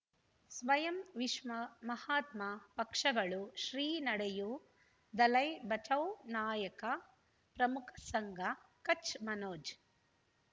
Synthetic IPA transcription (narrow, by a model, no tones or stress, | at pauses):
sʋɐjɐmʋiʂmɐmɐhaːt̪mɐpɐkʂɐɡɐɭuʃɾiːnɐɽɐju | d̪ɐlɐjbɐt͡ʃɐwnaːjɐkɐ | pɾɐmukʰɐ̥sɐŋɡʱɐkɐt͡ʃmɐnoːd͡ʒ